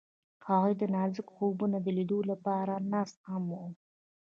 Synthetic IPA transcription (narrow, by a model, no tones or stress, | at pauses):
haɣujd̪ənɑzɪkxobunad̪əlid̪olapɑɾanɑst̪hamwo